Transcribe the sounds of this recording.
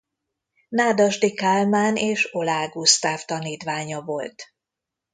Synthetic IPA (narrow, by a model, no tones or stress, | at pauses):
naːd̪ɒʒd̪ikaːlmaːnʔeːʃo̞laːɡust̪aːft̪ɒniːt̪ʋaːɲɒvo̞lt̪